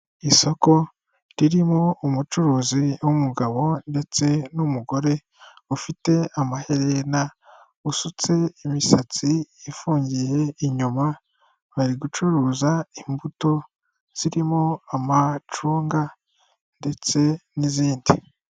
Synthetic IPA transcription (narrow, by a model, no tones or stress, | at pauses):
iso̞ko̞ | ɾiɾimoumut͡ʃuɾuːziwumuɡaβo̞nde̞t͡se̞numuɡo̞ɾe̞ | ufite̞amahe̞ɾe̞na | usut͡se̞imisat͡siːfuːɲɟije̞iɲuma | βaɾiɡut͡ʃuɾuzaimbuto̞ | z̥iɾimoamat͡ʃuːŋɡa | nde̞t͡se̞niziːndi